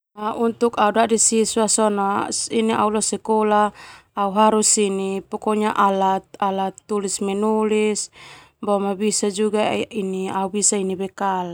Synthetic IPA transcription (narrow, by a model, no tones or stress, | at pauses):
aʔunt̪ukaudadisisuasɔnasiniʔa̰ulɔsɛkɔlaːuɦaɾusinipɔkɔɲaʔalat̪̚alat̪ːulismɛnulis | bɔmabisad͡ʒuɡainiaubisainibɛkal